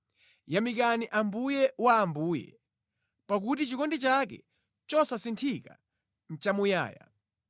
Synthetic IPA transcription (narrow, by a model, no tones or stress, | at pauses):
jamikaniʔambujɛwaːmbuːjɛ̰ | pak̬utit͡ʃikɔndit͡ʃakɛ̰ | t͡ʃɔsasintʰika̰ | n̩t͡ʃamuja̰ːja̰